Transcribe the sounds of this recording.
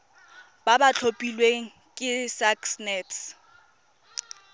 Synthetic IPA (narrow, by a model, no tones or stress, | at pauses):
babat͡ɬʰopʼilweŋ̩ | kʼɪsaksnɛːts